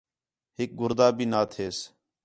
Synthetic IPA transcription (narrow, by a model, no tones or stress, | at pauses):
ɦɪk̚ɡʊɾd̪aːbʱiːnaːt̪ʰeːs